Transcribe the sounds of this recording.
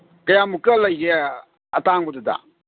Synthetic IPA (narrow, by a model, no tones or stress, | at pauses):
kajamukəlaɣe | a̰taŋɡudəda̰